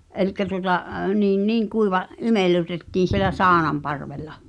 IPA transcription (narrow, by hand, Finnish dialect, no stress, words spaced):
elikːæ tuotɑ niːn niːŋ kuiʋɑ imelːu̟tetːiːn̞ sielæ sɑːnɑmpɑrʋelˑɑ